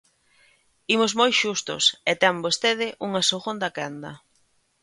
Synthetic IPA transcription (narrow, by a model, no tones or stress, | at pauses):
imozmojʃust̪ʊ̰set̪ɛmbost̪eðɪʔuŋasoɣond̪akɛnd̪ɐ